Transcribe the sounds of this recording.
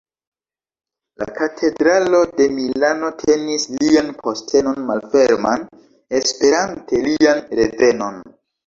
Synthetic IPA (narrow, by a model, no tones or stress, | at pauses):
la̰katʰe̞dɾalo̞de̞millano̞tʰe̞nislianpʰo̞stʰe̞no̞nmalfe̞ɾma̰n | e̞spe̞ɾante̞lianɾe̞ve̞no̞n